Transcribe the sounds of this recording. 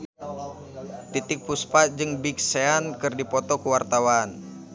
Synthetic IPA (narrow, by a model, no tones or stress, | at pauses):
t̪it̪ɪk̚puspad͡ʒɨŋbik̚seankɨrdipɔt̪ɔkuwart̪awan